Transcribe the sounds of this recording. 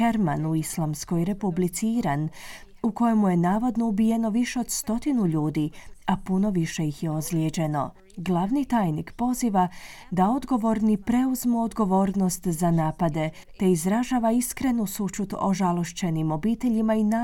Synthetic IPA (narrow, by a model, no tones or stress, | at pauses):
eɾmanuislˠamsko̞jɾe̞publit̪siiɾan | uko̞jemuje̞naːʋo̞d̪no̞ubije̞no̞ʋiʃeod̪st̪o̞t̪inuʎuːd̪iapuno̞ʋiʃe̞jixjeozljed͡ʑe̞no̞̰ | ɡlˠaʋnit̪aːjnikpo̞ziːʋa | d̪ao̞d̪ɡo̞ʋo̞ɾnipɾe̞uzmuod̪ɡo̞ʋo̞ːɾno̞st̪zanaːpad̪e̞ | t̪e̞izɾaʒaːʋaiskɾe̞nusut͡ʃut̪o̞̰ʒalˠo̞ʃt͡ɕe̞nimo̞biːt̪e̞ʎimaina